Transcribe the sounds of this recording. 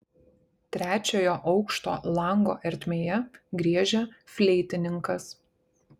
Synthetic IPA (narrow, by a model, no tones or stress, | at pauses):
t̪ʲɾʲæːt͡ʃʲoːjoːʔɒʊkʃt̪o̰ːlˠɐˑŋɡo̰ːʔɛɾʲt̪ʲmʲeːjɛɡɾʲiɛʒʲɛfʲlʲɛɪt̪ʲɪnʲɪŋkɐs